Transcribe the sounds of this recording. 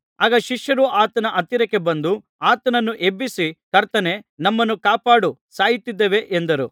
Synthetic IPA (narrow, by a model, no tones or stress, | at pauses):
aːɡɐʃiʂjɐɾuʔaːt̪ɐnɐʔɐt̪iɾɐkːe̞bɐnd̪u | aːt̪ɐnɐnːuʔebːisikɐɾt̪ɐne̞nɐmːɐnːukaːpaːɽusaːjit̪ːid̪ːeːʋe̞ʔend̪ɐɾu